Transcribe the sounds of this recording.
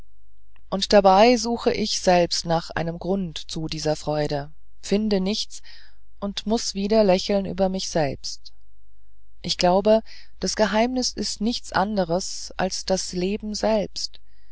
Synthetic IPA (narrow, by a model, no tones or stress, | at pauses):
ʔʊntd̥abaɪzuːxəʔɪçz̥ɛlpstnaːχʔa̰ɪnəmɡʁʊntt͡sudiːzɐfʁ̥ɔʏɾə | fɪndənɪçt͡s | ʔʊntmʊsv̥iːdɐlɛçl̩nʔy̰ːbɐmɪçz̥ɛlpst | ʔɪçɡ̥laʊbə | d̥asɡ̥əɦaɪmnɪsɪstnɪçt͡sʔa̰ndəʁ̞əsʔa̰lsd̥asleːbm̩zɛlpst